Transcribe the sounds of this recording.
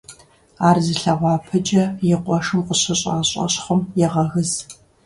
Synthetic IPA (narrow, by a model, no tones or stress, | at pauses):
aːrzɨɬɐʁʷɑːpʰɐd͡ʒʼɐjɪqʷɔʂɨmqʷʊɕɐɕʼɑ̰ːɕʼɐ̰ɕχʷʊmjɛʁɐɣɨz